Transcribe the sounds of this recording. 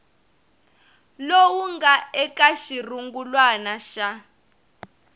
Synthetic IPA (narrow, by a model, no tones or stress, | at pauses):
lowuŋɡaɛkaʃiruŋɡulwanaʃa